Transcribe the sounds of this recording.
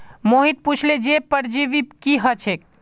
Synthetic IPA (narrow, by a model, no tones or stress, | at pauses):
moɦit̪̚put͡ʃʰled͡ʒepəɾd͡ʒiʋikiɦət͡ʃʰek̚